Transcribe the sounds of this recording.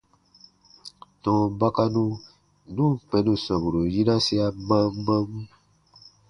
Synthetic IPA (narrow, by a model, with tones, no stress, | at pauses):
nɔ̃˨ba˦ka˦nũ˦ | nũ˦k͡pɛ̃˨nũ˨sɔ˨bu˨ɾo˨ji˦na˦si˦a˧mã˦ɡ͡bã˦mũ˦